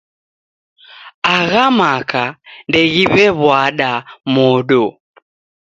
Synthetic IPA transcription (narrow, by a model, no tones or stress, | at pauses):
aɣamakandɛɣiβɛβwaɗamɔɗɔ